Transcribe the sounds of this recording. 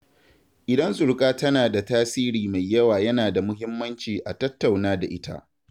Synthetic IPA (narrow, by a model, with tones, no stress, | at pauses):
ʔɪ˨dɐ˦nsʊ˨ɽkʼaː˦tɐ˦naː˨da˨taː˦siː˦ɾiː˨ma˨jːɐ˦waː˨jɐ˦naː˨da˨mʊ˦ɦɪ˦mːɐ˦nt͡ʃiː˨ʔa˨tɐ˦tːa˨wnaː˦da˨ʔɪ˦ta̰˦ʔ